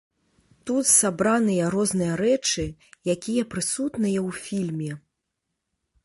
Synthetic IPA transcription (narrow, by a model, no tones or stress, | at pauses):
t̪ut̪sabɾanɨjɐɾɔznɨjɐɾɛt͡ʂɨjakʲijɐpɾɨsut̪nɨjɐwfʲilʲmʲɛ